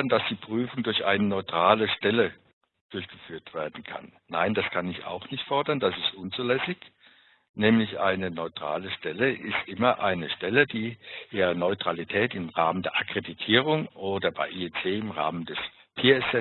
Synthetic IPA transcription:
ɐnd̥asd̥iːpʁ̥yːfʊŋdʊɐçʔa̰ɪnənɔʏtʁ̥aːləʃtɛlə | d̥ʊɐçɡ̥əfyːɐtv̥eːɐdn̩kʰa̰nːa̰ɪndaskʰanɪça̰ʊxnɪçtfɔɐdɐndasɪstʔʊnt͡suːlɛsɪç | nɛːmlɪçʔa̰ɪnənɔʏtʁ̥a̰ːləʃtɛləʔɪstʔɪmɐʔa̰ɪnəʃtɛlədiːʔiːɐnɔʏtʁ̥alitʰɛːtɪmʁaːməndeːɐʔakʁ̥editʰiːʁʊŋʔoːdɐba̰ɪʔiːɛt͡seːɪmʁa̰ːməndɛs | pʰeːɛsɛ

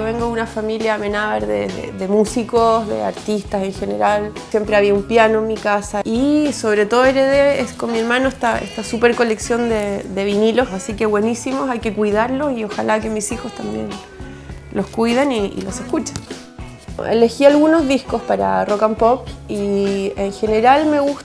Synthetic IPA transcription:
oβeŋɡoðunafamiljaːme̞naβaɾðeðḛðemusikosðḛa̰ɾt̪ist̪ase̞ŋxe̞ne̞ɾalsje̞mpɾeaβiaumpjano̞enmikasaiso̞βɾe̞t̪oðoeɾeðeeskonmie̞ɾmanoeht̪aḛst̪asupe̞ɾko̞le̞ksjo̞nd̪ed̪e̞βinilo̞sasike̞βwe̞nisimo̞sajke̞kwuijðaɾlo̞sio̞xalake̞misixo̞st̪ambjḛn | lo̞skujðeniḭlo̞sehkut͡ʃe̥n | ḛle̞xialɣuno̞zðihko̞spaɾa̰rokampop̚ieŋxe̞ne̞ɾalme̞ɣu

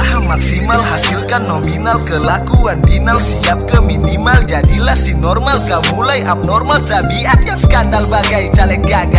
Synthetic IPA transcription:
ahamːaksimalhasilkanːɔminalkəlakuandinalsiap̚kəminimald͡ʒadilahsinɔrmalkamulajʔap̚nɔrmalt̪abiat̪jaŋsə̥kandalbaɡajt͡ʃalɛk̪̚ɡaɡa

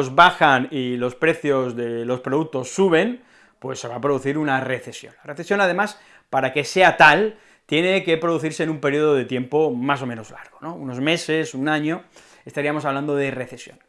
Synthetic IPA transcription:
ozβaxanilo̞spɾe̞θjo̞zðelo̞spɾoðuk̚t̪o̞sːuβ̞e̞n | pwe̞sːe̞βapɾoðuθiɾunare̞θe̞sjo̰nlareθesjo̞nað̞e̞mas | paɾake̞se̞at̪al | t̪jeneke̞pɾo̞ð̞uθiɾseːnũmpe̞ɾioð̞oðe̞t̪je̞mpo̞mas̬o̞meno̞zlaɾɣono̞uno̞zme̞se̞sunaɲo̞ | est̪aɾiamo̞s̬aβlãnd̪oð̞ere̞θe̞sjo̰n

